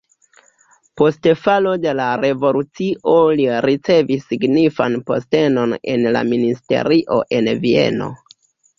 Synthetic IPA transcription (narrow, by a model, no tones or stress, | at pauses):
po̞stfalode̞laɾe̞vo̞lut͡siʔoliɾit͡se̞visːiɡnifanpo̞̰ste̞no̞ne̞̰nla̰ministe̞̰ɾiʔo̞̰ʔe̞nvie̞̰no̞̰